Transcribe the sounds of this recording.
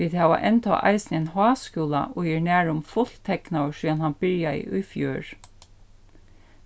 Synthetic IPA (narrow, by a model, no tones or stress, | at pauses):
iːðhæːʋa̰ʔɛnt̪ʰɔ̰ːʔɑ̰ɪsnɪɛnhɑːskuːla̰ʔɔːjiːɹnæːɹʊmfʊl̥t̪ʰɛknaʂiːanhanbɪɹjaɪ̰ʔʊ̰jfjøːɹ